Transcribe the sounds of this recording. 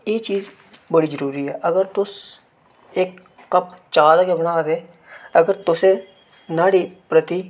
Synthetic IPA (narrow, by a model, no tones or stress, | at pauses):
jeːt͡ʃiːz | bɐɽizəɾuːɾiɦɛːʔɐɡəɾt̪ʊs | eːkː | ɐpt͡ʃaːd̪akebɐɽ̃aːd̪eː | ɐɡəɾt̪ʊse | naːɽipɾət̪i